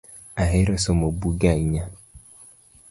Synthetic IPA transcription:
aɦɪɾɔsomobuɡaiɲa

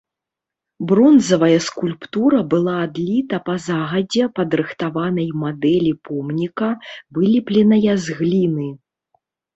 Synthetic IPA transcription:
bɾɔnzɐvɐjɐskulʲpt̪uɾɐbɨlˠaːd̪lʲit̪ɐpɐzaɣɐd͡zʲɛpɐd̪ɾɨxt̪avanɐjmad̪ɛlʲipʰɔmnʲikɐvɨlʲiplʲɛnɐjɐzɣlʲinɨ

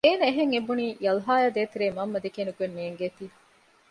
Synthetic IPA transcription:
eːnɐeɦeŋebuniːjɐlɦaːjaːd̪eːt̪eɾeːmɐmːɐd̪ekeːnukuenːeːŋɡeːt̪iː

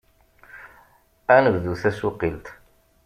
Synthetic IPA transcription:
ænəvðuθæsʊqilt̪

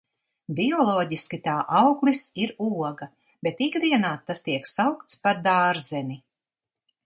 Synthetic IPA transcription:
bʲiɔlˠɔːɟiskʲit̪aːʔawklʲisiɾuɔɡa | bet̪ikd̪iɛnaːt̪ːast̪iɛksawk̚t̪spaɾd̪aːɾzɛni

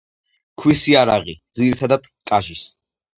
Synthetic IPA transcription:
kʰwisiaɾa̰ʁid̪ziɾit̪ʰad̪ad̪ | kʼaʒis

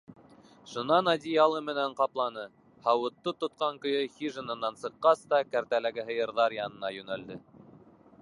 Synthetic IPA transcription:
ʃŏnɑnɑd̪ʲijɑlˠɤmɘ̆næɴqɑplˠɑnɤ | hɑwɤ̆t̪ːɤt̪ŏt̪̚qɑŋkɵ̆jɵxʲiʒɤ̆nɤ̆nːɑnsɤ̆qːɑst̪ɑkæɾt̪ælæɡɘɦɤ̆jɤ̆ɾðɑɾjɑnɤ̆nɑjɵ̆næld̪ɘ

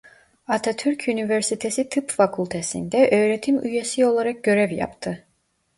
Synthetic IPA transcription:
at̪ʰat̪ʰyɾcʰynivɛɾsit̪ʰesit̪ʰɯpfakʰulˠʲt̪ʰesḭnd̪ɛʔøːɾet̪ʰimyjesio̞lˠaɾak̚ɟø̞ɾɛvja̰pt̪ʰɯ

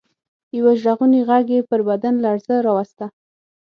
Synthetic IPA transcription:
jawaʒɽaɣuniɣaɡepəɾbad̪anlaaɽzəɾɑwast̪a

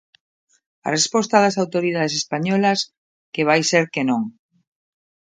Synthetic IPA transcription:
ɐ̰respɔst̪aðɐsawt̪oɾið̞að̞es̬espaɲɔlɐs | keβ̞ajseɾkenõŋ

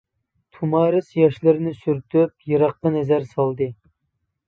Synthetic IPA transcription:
t̪ʰumɑːɾɨsjɑʃlɨɾɪnɪsyɾt̪ʰyp̚jɨɾɑqːɑnɛzæɾsɑlˠd̪ɨ

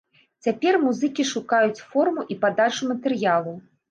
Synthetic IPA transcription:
t͡sʲapʲɛrmuzɨkʲiʂukajut͡sʲfɔrmuʔipad̪at͡ʂumɐt̪ɛrjalˠu

